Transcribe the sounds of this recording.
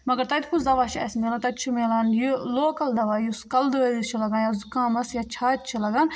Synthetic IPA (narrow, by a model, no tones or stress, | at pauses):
mɐɡɐɾt̪ɐt̪ʲkʰusd̪ɐʋaːt͡ʃʰiɐ̰smeːlant̪ɐt̪̚ʲt͡ʃʰimeːlɐːnjiloːkɐld̪ɐʋaːjuskɐld̪ɨɐit͡ʃʰilɐɡaːnjaːzukaːmɐsjaːt͡ʃʰaːt̪̚ʲt͡ʃʰilɐɡaːn